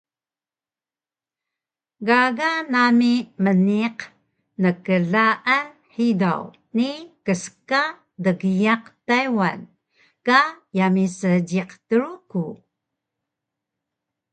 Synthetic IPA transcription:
ɡaɡanamiməniq | nəkəɮaʔan | ħida̰w | nikəska | dəɡəjaqtajwa̰n | kajamisəɟiqtəɾuku

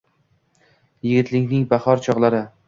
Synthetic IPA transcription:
jɪɡʲɪt̪lɪŋʲnɪŋbahɒɾt͡ʃʰɒʁlˠaɾɪ

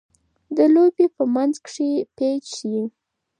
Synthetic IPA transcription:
d̪əlobepəmanzkʂipet͡ʃii

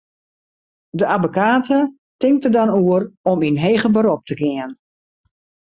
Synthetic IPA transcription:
dəabokaːtə | tɪŋtədɔnuərɔminɦeːɣəbəɾɔp̚təɡɪən

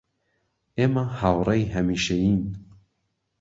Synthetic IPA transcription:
eːmahaːwrˤejɦɐmiʃejiːn

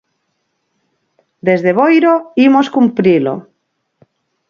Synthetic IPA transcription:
d̪ezðeβ̞ojɾoimoskumpɾilo̰

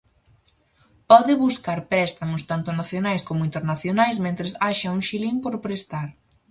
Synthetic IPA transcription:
pɔðɪβuskaɾpɾɛst̪amʊst̪ant̪ʊnaθjonajskomʊint̪eɾnaθjonajsmẽnt̪ɾɪsaʃɐuŋʃilimpoɾpɾest̪aɾ

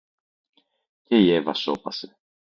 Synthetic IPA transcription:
ce̞ie̞vɐso̞pɐse

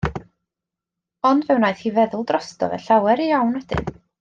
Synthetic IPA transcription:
ɔndvɛwnaɨðhiːvɛðʊlˠdrɔstɔ̰vɛ̰ɬawɛɾijawnwɛd̥ɪ̰n

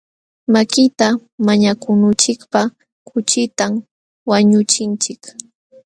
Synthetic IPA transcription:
makɪt̪amaɲakʊnʊt͡ʃɪkpa | kʰʊt͡ʃɪt̪am | waɲʊt͡ʃɪnt͡ʃɪk

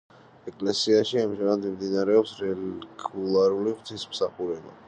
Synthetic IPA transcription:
ɛkʼlɛsiaʃiamʒɛnad̪mimd̪inaɾɛɔpsɾɛlɡulˠaɾuliʁt̪ʰismsaχuɾɛba̰

